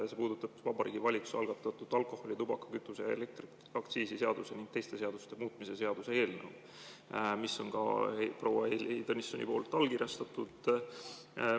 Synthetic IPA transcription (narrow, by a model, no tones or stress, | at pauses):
se̞puːd̪ut̪ːˑɑb̥vɑbɑɾʔiːɡ̥ivɑlʲiksu̥sɑlɡ̥ɑt̪ːˑɑt̪ːˑud̪̥ɑlko̞hˑo̞lʲit̪ubɑkɑ̥kyt̪ːˑusejɑelek̚t̪r | ɑkt̪siːsise̞ɑd̪use̞niŋɡ̥̚t̪e̞jst̪e̞se̞ɑd̪u̥st̪e̞muːt̪ˑmise̞se̞ɑd̪̥use̞e̞ːlnəw | misːo̞nkɑ̰pro̞wːɑelt̪onisːo̰nʲḭpo̞ːlt̪ːˑɑlːkirjɑst̪ɑt̪ud̪̥